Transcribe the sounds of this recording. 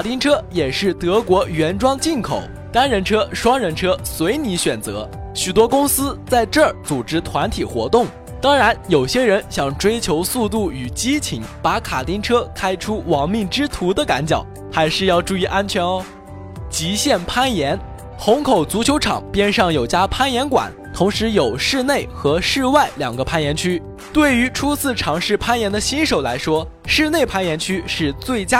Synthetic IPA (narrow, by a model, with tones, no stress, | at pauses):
a˨˩t̪i˥ŋʈ͡ʂʰɤ˥jɛ˨˩ʂɻ̩˥˩t̪ɤ˧˥kwɔ˧˥ɥɛ˧˥nʈ͡ʂwɑ˥ŋt͡ɕi˥˩nkʰo̰˨˩ʊ | t̪a˥nɻə˧˥nʈ͡ʂʰɤ˥ʂwɑ˥ŋɻə˧˥nʈ͡ʂʰɤ˥swe˧˥ɪni˧˥ɕɥɛ˨˩nt͡sɤ̰˧˥ | ɕy˨˩t̪wɔ˥kʊ˥ŋsɹ̩˥t͡sa˥˧ɪʈ͡ʂə˞˥˩t͡su˨˩ʈ͡ʂɻ̩˥t̪ʰwa˧˥nt̪ʰi˨˩xwɔ̰˧˥t̪ʊ˥˩ŋ | t̪ɑ˥ŋɻa˧˥njo˨˩ʊɕjɛ˥ɻə˧˥nɕjɑ˥˩ŋʈ͡ʂwe˥ɪt͡ɕʰjo˧˥ʊsu˥˧t̪u˥˩y˨˩t͡ɕi˥t͡ɕʰi˧˥ŋpa˧˥kʰa˨˩t̪i˥ŋʈ͡ʂʰɤ˥kʰa˥ɪʈ͡ʂʰu˥wɑ˧˥ŋmi˥˩ŋʈ͡ʂɻ̩˥t̪ʰu˧˥d̪ə˨ka̰˧˥nt͡ɕjɑ̰˨˩˦ʊ | xa˧˥ɪʂɻ̩˥˧jɑ˥˧ʊʈ͡ʂu˥˧i˥˩ʔa˥nt͡ɕʰɥɛ˧˥nə˧ | t͡ɕi˧˥ɕjɛ˥˩npʰa˥njɛ˧˥n | xʊ˧˥ŋkʰo˨˩ʊt͡su˧˥t͡ɕʰjo˧˥ʊʈ͡ʂʰɑ̰˨˩ŋpjɛ˥nʂɑ˥˩ŋjo˨˩ʊt͡ɕja˥pʰa˥njɛ˧˥nkwa̰˨˩˦n | t̪ʰʊ˧˥ŋʂɻ̩˧˥jo˨˩ʊʂɻ̩˥˧ne˥˩ɪxɤ˧˥ʂɻ̩˥˧wa˥˩ɪljɑ̰˨˩ŋɡə˦pʰa˥njɛ˧˥nt͡ɕʰy˥ | t̪we˥˩ɪy˧˥ʈ͡ʂʰu˥t͡sʰɹ̩˥˩ʈ͡ʂʰɑ˧˥ŋʂɻ̩˥˩˧pʰa˥njɛ˧˥nd̪ə˧ɕi˥nʂo˨˩ʊla˧˥ɪʂwɔ˥ | ʂɻ̩˥˧ne˥˩ɪpʰa˥njɛ˧˥nt͡ɕʰy˥ʂɻ̩˥˧t͡swe˥˩ɪt͡ɕja˥